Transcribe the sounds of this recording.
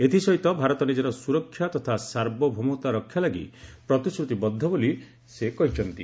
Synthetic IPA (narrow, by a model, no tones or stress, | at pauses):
et̪ʰisɔɦit̪ɔbʱaɾɔt̪ɔnid͡ʒeɾɔsuɾɔkʰːjat̪ɔt̪ʰasaɾbɔbʱomot̪aɾɔkʰːjalaɡḭpɾɔt̪isɾut̪ibɔd̪ʱːɔboli | sekɔɦit͡ʃʰɔnt̪i